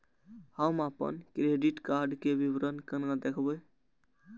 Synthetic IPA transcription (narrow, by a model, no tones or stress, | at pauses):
hamapə̰nkɾeɖiʈkaɾɖkebibɾənkənad̪ekʰbəj